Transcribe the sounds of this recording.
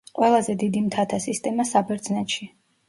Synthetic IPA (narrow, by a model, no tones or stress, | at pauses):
qʼwɛlˠazɛd̪id̪imt̪ʰat̪ʰasist̪ʼɛmasabɛɾd̪znɛt̪ʃi